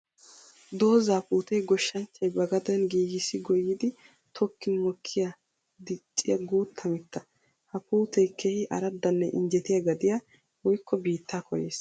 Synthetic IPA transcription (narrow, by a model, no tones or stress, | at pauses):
d̪o̞ːzaːpuːt̪ɛjɡɔʃːɐnt͡ʃːɐjbɐɡɐd̪ɛnɡiːɡɪsːɪɡɔjːɪd̪ɪ | t̪ʰɔkːɪnmɔkʰːɪjɐ | d̪ɪt͡ʃʼːɪjɐɡuːt̪ʰːɐmɪt̪ːɐ | hɐpuːt̪ɛjkʰːeːhɪʔɐ̰ɾɐd̪ːɐnːɛʔɪ̰nd͡ʒɛt̪ɪjɐɡɐd̪ɪja | wɔjkːɔbiːt̪ːaːkʰɔjḛːs